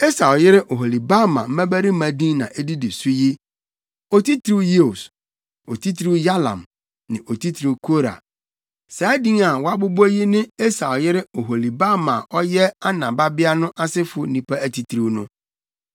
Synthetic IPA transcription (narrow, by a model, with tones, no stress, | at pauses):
e˦sa˨ljɪ˦ɾɪ˦ʔo˨ɦo˨li˨ba˦mã̰˨m̩˦mæ̃˦bæ˦ɾi˦mæ̃˨dĩ˦nã˨ʔe˦di˦di˨su˦ji˦ | o˨ti˦tʰɾi˦je˦o˨s | o˨tʰi˦tʰɾi˦ja˦lã̰˨m | nɪ̃˨ʔo˨tʰi˦tʰɾi˦kʰo˦ɾa̰˨ | sa˨˦dĩ˦ŋa˨wɔ˦a˦bʊ˦bo˦ji˦nɪ̃˦e˦sa˨ljɪ˦ɾɪ˦o˨ɦo˨li˨ba˦mã˨ʔɔ˦jɛ˦a˦nã˨ba˦bɪ˦a˦nʊ̃˦ʔa˦sɪ˦fʊ˦nĩ˨pʰa˦æ˦tʰi˨tʰɾi˦wnʊ̃˦